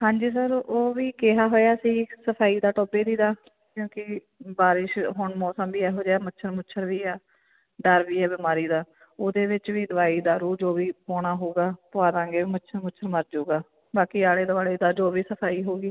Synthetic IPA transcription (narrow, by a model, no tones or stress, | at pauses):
ɦãːɲd͡ʒiːs̬əɾoːʋiːkeːɦaːɦoːjaːsĩːsəpʰaːiːd̪aːʈoːbeːd̪iːd̪aː | kjõːkɪ | baːɾɪʃɦʊɳmɔːsəmbiːɛːɦoːd͡ʒaːmətːt͡ʃʰʃʰəɾmʊt͡ʃʰəɾʋiːɛː | ɖəɾʋiːɛːbɪmaːɾiːd̪aː | oːd̪eːʋɪt͡ʃʋiːd̪əʋaːiːd̪aːɾuːd͡ʒoːʋiːpoːɽaːɦoːɡaːpʊaːd̪ãːɡeːmətːt͡ʃʃʰəɾmʊt͡ʃʰəɾməɾd͡ʒuːɡaː | baːkiːaːɽeːd̪ʋaːleːd̪aːd͡ʒoːʋiːsəpʰaːiːɦoːɡiː